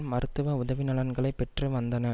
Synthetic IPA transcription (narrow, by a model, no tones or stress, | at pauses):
mɐɾɯt̪ːɯʋɐʊðɐʋɪnɐɭɐnɡɐɭɐɪpɛʈrɯʋɐnd̪ɐnɐ